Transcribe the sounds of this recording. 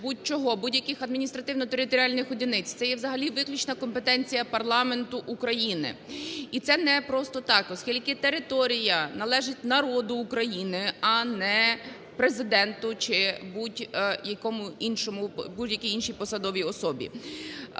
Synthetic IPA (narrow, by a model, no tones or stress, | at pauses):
but̚ʲt͡ʃɔɦɔbudʲjɐkɪxɐd̪mʲinʲist̪ɾɐt̪ɪwnɔt̪eɾɪt̪ɔɾʲalʲnɪxɔdʲinɪt͡sʲt̪sɛjɛwzɐɦɐlʲiʋɪklʲʊt͡ʃnɐkɔmpet̪ɛnʲt͡sʲijɐpɐrlˠɑme̞nt̪ʊʔukɾɐjinɪ̰it̪sɛnɛpɾɔst̪ɔt̪ɑkɔskʲilʲkɪt̪eɾɪt̪ɔɾʲijɐnɐlˠɛʒɪtʲnɐɾɔd̪ʊːkɾɐjinɪɐnɛ | pɾezɪd̪ɛnt̪ʊt͡ʃɪbudʲjɐkɔmʊinʃɔmʊbudʲjɐkiinʃijpɔsɐd̪ɔʋʲiɔsɔbʲḭ